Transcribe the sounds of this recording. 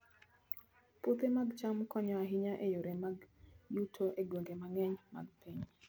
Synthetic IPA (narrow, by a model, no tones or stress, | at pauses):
pot̪emaɡt͡ʃamkɔɲɔaɦɪɲaʔejoɾemaɡjutʰoʔeɡwoŋɡemaŋɛɲma̰ɡpʰɛɲ